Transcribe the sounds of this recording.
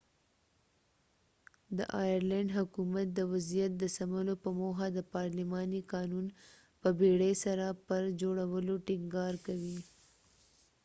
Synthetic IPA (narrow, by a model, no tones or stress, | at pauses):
d̪ə̰ʔɑjaɾlaɳɖɦʊkumat̪̚d̪əwazijat̪̚d̪əsaməlopəmoɦad̪əpɑɾlimɑnikɑnun | pəbeɽesaɾapəɾd͡ʒoɽawəloʈɪŋɡɑɾkawi